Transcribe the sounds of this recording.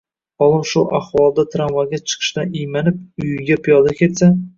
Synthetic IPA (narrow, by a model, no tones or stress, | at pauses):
ɒlˠɨʃʊʔaχwɒlˠd̪at̪ʰɾamvaɡʲat͡ʃʰɨ̥qʰɨ̥ʃt̪anijmanɪp̚ʊjɡʲapʰijɒd̪akʲet̪sa